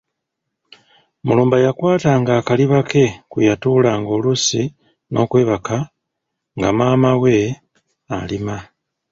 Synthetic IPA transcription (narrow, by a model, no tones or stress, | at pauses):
muluːmbajakwaːtaŋɡaːkaliβakʰe̞kujatuːlaːŋɡo̞ːlusi | nʔo̞̰ːkwe̞ːβakʰa | ŋɡa̰maːmawe̞ | alima